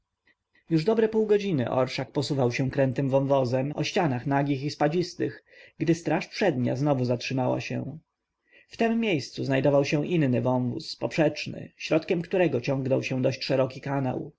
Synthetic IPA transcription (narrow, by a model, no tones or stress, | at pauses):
juʐd̪ɔbɾɛpuwɡɔd͡ʑinɘ̰ʔɔ̰ɾʂak̚pɔsuvawɕɛ̃kɾɛnt̪ɘmvɔnvɔzɛmɔɕt͡ɕanaxnaɡʲixispad͡ʑist̪ɘx | ɡd̪ɘst̪ɾaʂpʂɛd̪ɲa̰znɔvuzatʂɘmawa̰ɕɛ̰̃ | ft̪ɛmːjejst̪suznajd̪ɔvawɕɛ̃ʔinːɘvɔnvṵspɔpʂɛt͡ʂnɘ̰ɕɾɔt̪kʲɛmkt̪uɾɛɡɔt͡ɕɔ̃ŋɡnɔwɕɛ̃d̪ɔɕt͡ɕʂɛɾɔkʲikana̰w